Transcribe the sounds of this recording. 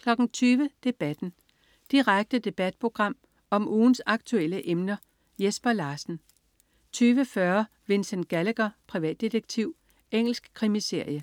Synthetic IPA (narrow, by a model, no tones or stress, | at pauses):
kʰlɒ̽ɡ̥n̩t͡sʰyːʋəd̥e̝b̥æd̥n̩ | d̥iʁaɡ̥̚d̥əd̥e̝b̥æd̥̚pʰʁo̝ɡ̥ʁɑ̈m̰ | ɒ̽mʔuːn̩sɑ̈ɡ̥t͡sʰuel̰əʔemnɐ | jesb̥ɐlɑ̈ːsn̩ | t͡sʰyːʋəfɶɐ | ʋe̝nsenɡ̥æləɡ̥ɐpʰʁiʋɛ̰ːd̥ːid̥eɡ̥̚t͡sʰiʊ̰ | ʔeŋ̰l̩sɡ̥kʰʁimise̝ɐ̰jə